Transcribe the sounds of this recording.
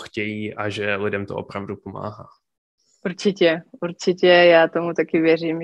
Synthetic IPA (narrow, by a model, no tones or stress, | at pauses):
xcɛjiːʔaʒɛlɪdɛmt̪oʔo̰pɾavdupoma̰ːɦaː | ʔuɾt͡ʃɪcɛʔuɾt͡ʃɪcɛjaːt̪omut̪akɪvjɛr̝iːm